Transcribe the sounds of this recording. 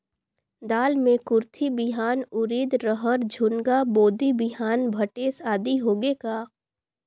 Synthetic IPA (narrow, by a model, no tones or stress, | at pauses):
d̪aːlmẽkʊɾt̪ʰibɪɦaːnʊɾiːd̪ɾəɦəɾd͡ʒʱʊnɡaboːd̪ibɪɦaːnbʱɐʈeːsaːd̪iɦoːɡekaː